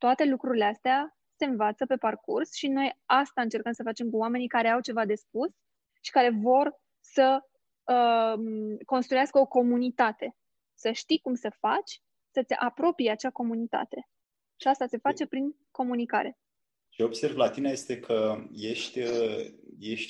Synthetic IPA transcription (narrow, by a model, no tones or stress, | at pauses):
t̪oat̪e̞lukɾuɾile̞ast̪ea | se̞ɨnvat̪səpe̞parkursʃino̞jast̪aɨnt͡ʃe̞rkəmsəfat͡ʃe̞mkuoame̞nijkaɾe̞awt͡ʃe̞vad̪e̞spus | ʃi̥kaɾe̞vo̞r | sə | ə | ko̞nst̪ɾujaskəo̞ko̞munit̪at̪e̞ | səʃt̪ikumsəfat͡ʃʲ | sət̪sʲapɾo̞pijeat͡ʃako̞munit̪a̰t̪e̞ | ʃiast̪at̪sefat͡ʃe̞pɾiŋ | ko̞munika̰ɾe̞ | ʃo̞b̥se̞rvlat̪inaje̞st̪e̞kʰəje̞ʃt̪ʲ | jeʃt̪ʲ